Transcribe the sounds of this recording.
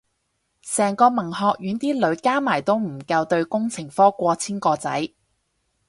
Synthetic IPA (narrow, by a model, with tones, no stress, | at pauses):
sɛː˨˩ŋkɔː˧mɐ˨˩ŋhɔː˨˧k̚jyː˨˥nt̪iː˥lɵ˨˧˥ɥkaː˥maː˨˩jt̪o˥wm̩˨˩kɐ˧wt̪ɵ˧ɥkʊ˥ŋt͡sʰɪ˨˩ŋfɔː˥kʷɔː˧t͡sʰiː˥nkɔː˧t͡sɐ˨˥j